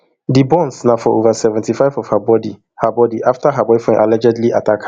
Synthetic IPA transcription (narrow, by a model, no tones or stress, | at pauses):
dibɔ̃nsnafɔʔovasɛvɛ̃ntifaɪvɔv̥habɔdi | habɔdiʔaftʰaɦabɔɪfɛ̃nʔalɛd͡ʒɛdliʔatʰak